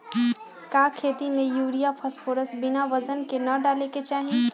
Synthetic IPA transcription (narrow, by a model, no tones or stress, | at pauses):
kaːkʰeːt̪imẽjuːɽijapʰəspʰoːɾəsbɪnaʋɐzənkenɐɖaːleket͡ʃaːɦĩ